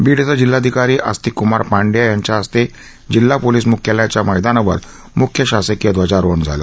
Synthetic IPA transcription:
biɽt͡səd͡ʑilːad̪ʱikaɾiːʔə̰st̪iːkumaɾpaɳɖjajaɲt͡ɕaəst̪e | d͡ʑilːapoliːs̬mukʰjəljat͡ɕjaməjd̪anaʋə̰ɾ | mukʰjəɕasəkjəd̪ʋəd͡ʑaɾoɳd͡zʱa̰lə̰

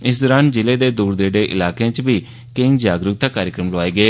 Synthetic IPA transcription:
ɪsd̪ɔːɾaːnd͡ʒɪleːd̪eːd̪uːɾd̪eːɖeːʔɪ̰laːkãːt͡ʃbiː | keind͡ʒaːɡɾʊk̚t̪aːkaːɾjəkɾəmloaːeːɡeː

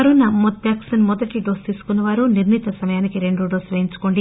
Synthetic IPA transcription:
ɐɾunːɐmɔt̪̚jaːksɐnmɔd̪ɐʈːiɖoːst̪iːsu̥kunːɐʋaːɾuniɾnit̪ɐsɐmɐjaːnikiɾe̞ɳɖuɖoːsʋɐjiɲt͡ʃu̥ko̞ːɳɖi

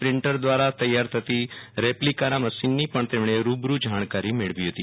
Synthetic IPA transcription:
pɾɪ̃ɳʈəɾd̪ʋaːɾat̪əjːaːɾt̪ʰət̪iɾeplikaɾãməsinːipəɳt̪emɳ̃eɾuːbɾud͡ʒaːɳ̃kaːɾimeɭʋiɦət̪ḭ

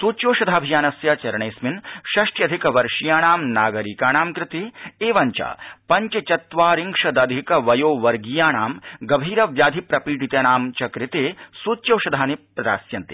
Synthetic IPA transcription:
suːt͡ʃjoːʃɐd̪ʱaːbʱijaːnɐsjat͡ʃɐɾɐɳeːsminʃɐʂʈjɐd̪ʱikɐʋɐɾʃijaːɳaːmnaːɡɐɾikaːnaːmkɾɪt̪eːeːʋɐɲt͡ʃa̰ːpɐɲt͡ʃɐt͡ʃɐt̪ʋaːɾiŋʂɐd̪ɐd̪ʱikɐʋɐjoːʋɐɾɡijaːnaːmɡɐbʱiːɾɐʋjaːd̪ʱipɾɐpiːʈit̪eːnaːmt͡ʃɐkɾɪt̪eːsuːt͡ʃːjoːʃɐd̪ʱaːnipɾɐd̪a̰ːsjɐnt̪i

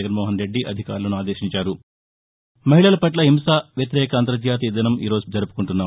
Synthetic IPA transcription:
ɐɡɐnmoːɦɐnɾe̞ɖːiʔɐ̰d̪ʱika̰ːɾulɐnuaːd̪eːʃiɲt͡ʃaːɾu | mɐɦiɭɐlɐpɐʈlɐɦimsaːʋjɐt̪iɾɛːkɐɐnt̪ɾɐd̪jaːt̪̬id̪ɐnɐmḭːɾoːd͡ʒud͡ʒɐɾupu̥kuɳʈunːaː

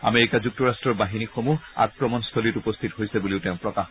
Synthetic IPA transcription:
a̰meɹikazuk̚tɔɹastɹɔɹbaɦinixomua̰k̚ːɹɔmɔnst̪ʰolitupɔst̪ʰitɦojsɛbuliʊtɛʊ̃pɹɔkax

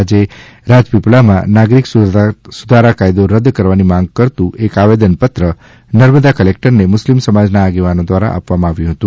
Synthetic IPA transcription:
ad͡ʒe | ɾad͡ʒpiplamã̰naɡɾikssud̪ʱaɾakajd̪oɾəd̪kəɾʋanimãŋɡ̚kəɾt̪ũʔekaʋed̪ənpət̪ɾə | nəɾməd̪akəlek̚ʈəɾnemʊslimsəmad͡ʒnaːɡeʋanod̪ʋaɾa̰ʔa̰pʋamãaʋjũɦət̪ũ

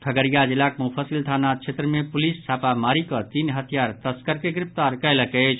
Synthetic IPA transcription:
t̪ʰəɡəɾijad͡ʒilakmupʰəsilt̪ʰanat͡ʃʰet̪ɾəmepulist͡ʃʰapamaɾikɔt̪inɦət̪ʰijaɾt̪əskəɾkeɡɾɪp̚ʰt̪aɾkəɪləket͡ʃʰ

